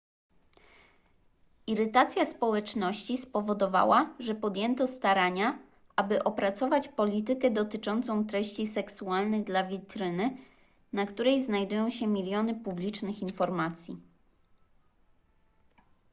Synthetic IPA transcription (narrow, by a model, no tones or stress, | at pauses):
iɾɘt̪at̪sʲjaspɔwɛt͡ʂnɔɕt͡ɕispɔvɔd̪ɔva̰waʐɛpɔd̪jɛnt̪ɔst̪aɾaɲa | ʔabɘʔɔpɾat̪sɔvat͡ɕpɔlʲit̪ɘkɛd̪ɔt̪ɘt͡ʂɔnt̪sɔ̃w̃t̪ɾɛɕt͡ɕisɛksualnɘɣd̪lavʲit̪ɾɘnɘ | nakt̪uɾɛjznajd̪ujɔ̃w̃ɕɛmʲilʲjɔnɘpublʲit͡ʂnɘxinfɔɾmat̪sʲji